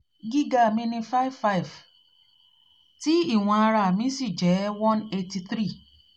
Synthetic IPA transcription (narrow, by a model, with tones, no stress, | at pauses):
ɡi˦ɡa˦˨mĩ˧nĩ˧fa˦i˦vfa˦i˨v | ti˦i˦˨w̃ɔ̃˧a˧ɾa˧˨mĩ˧˦si˦˨d͡ʒɛ˨˦wɔ̃˦ne˧ti˧θɾi˦˨